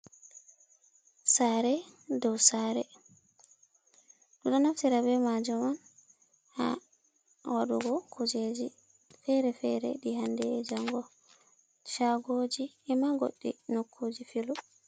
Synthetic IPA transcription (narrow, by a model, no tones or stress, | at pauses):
saɾɛdɔwsaɾɛ | ɗuɗɔnaftiɾabɛmad͡ʒɔman | ha̰ | waɗuɡɔkʰud͡ʒed͡ʒi | fɛɾɛfɛɾɛ̰ɗihandɛd͡ʒaŋɡɔ | ʃaɡoːd͡ʒi | ɛmaɡo̰ɗːḭnokʰːud͡ʒifilu